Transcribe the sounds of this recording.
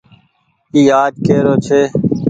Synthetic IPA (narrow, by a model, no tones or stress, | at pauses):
iːaːd͡ʒkeːɾoːt͡ʃʰeː